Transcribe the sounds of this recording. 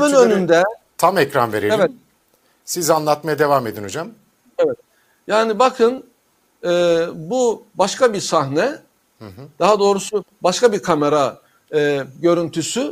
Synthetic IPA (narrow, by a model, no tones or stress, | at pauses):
viønynd̪ɛt̪ʰamɛcɾa̰nveɾeevɛt̪̚ | sizanlˠat̪majad̪e̞vaːme̞d̪ino̞d͡ʒam | evɛt̪̚ | jaːnibakʰɯn | ɛːbubaʃkʰabiɾsaɦnɛ | hɯɦd̪̥aɦad̪o̞ːɾusubaʃkabiɾkʰame̞ɾa | ɯːɟø̞ɾynt̪ʰysy